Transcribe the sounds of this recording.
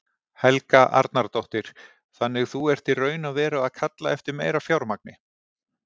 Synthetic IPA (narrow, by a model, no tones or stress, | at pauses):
hɛlkaʔa̰ɾt̪naɾt̪oht̪ɪɾ̥ | θanːɪɣθuɛr̥t̪irœːɥnaðvɛːɾaaðkʰat̪laɛft̪ɪɾmejɾafjawɾmak̚nɪ